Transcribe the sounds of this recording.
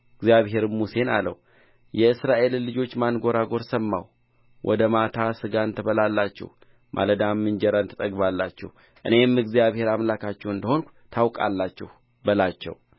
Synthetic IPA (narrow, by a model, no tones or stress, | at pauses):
ɨɡzjaβhe̞ɾɨmuse̞na̰lə̰w | jɛɨsɾaʔe̞llɨd͡ʒo̞t͡ʃːmanɡo̞ɾaɡo̞ɾsəmːa̰w | wʔɔ̰d̪əmat̪ʰasɨɡaɨnt̪ʰəβəlalːat͡ʃːɛ̰h | mʔa̰ləd̪amːɨnd͡ʒɛɾant̪ʰɨt̪ʼəɡbalːat͡ʃːɛ̰h | ʔɨne̞mɨɡzijaβhe̞ɾamlakʰat͡ʃːɛwɨnd̪əho̞nk | t̪ʰawkʼa̰lːat͡ʃːɛh | bəlat͡ʃːɛ̰w